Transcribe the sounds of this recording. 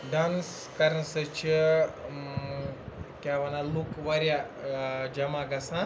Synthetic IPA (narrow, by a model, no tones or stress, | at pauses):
ɖans | kɐɾənsət͡ʃi | kʲjaʋɐnalukʋɐɾja | d͡ʒɐmãɡɐsã